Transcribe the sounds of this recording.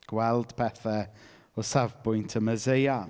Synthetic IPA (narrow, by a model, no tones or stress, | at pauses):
ɡ̥wɛlˠd̥pʰɛθɛ | ɔsavbʊjntʰəməzeja